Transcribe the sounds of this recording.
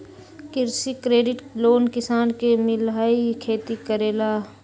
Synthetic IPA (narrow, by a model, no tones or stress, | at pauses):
kɪɾsikɾeːɖɪʈloːnkɪsaːnkemɪlaːikʰeːt̪ikəɾeːlaː